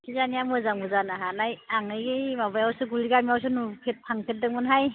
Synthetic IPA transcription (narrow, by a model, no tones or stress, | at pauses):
kʰizaniamɯzaŋbɯzanaɦanajaŋɯjɡijmabajawsɯɡuliɡamiaws̬ɯnupʰet̚pʰaŋpʰet̚dɯŋmɯnɦaj